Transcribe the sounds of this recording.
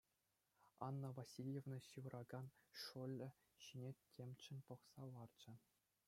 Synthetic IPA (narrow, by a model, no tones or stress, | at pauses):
ɑ̰nːɤ̆vasʲilʲjevnɤ̆ɕɯʋɤ̆rʔɑɡɑnʂulʲːɘ̆ | ɕinʲetʲʰemʲt͡ɕɘ̆nʲpŏχsɑlɑrd͡ʑɘ̆